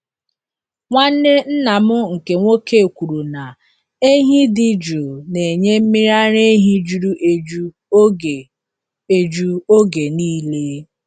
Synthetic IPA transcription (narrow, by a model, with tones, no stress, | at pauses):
ŋʷa˦ne˦n̩˦na˨mʊ˦ŋ̩˨ke˨ŋʷo˦ke˦˨kʷu˨ɾu˨na˨ | e˦ɦi˦dɪ˦d͡ʒu˨ne˨ɲe˦m̩˦mi˦ɾa˦ɾe˦ɦi˦d͡ʒu˦ɾu˦ʔe˦d͡ʒu˦˨ | e˨d͡ʒu˦o˦ɡe˨niː˦le˦